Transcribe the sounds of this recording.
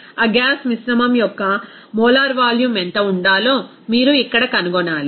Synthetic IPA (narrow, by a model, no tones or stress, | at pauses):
ɐɡaːsmisɾɐmɐmjɔkːɐ | mɔːlaːɾʋaːljumeɳt̪ɐuɳɖaːlo̞ː | miːɾuikːɐɽɐkɐnuɡɔnːaːli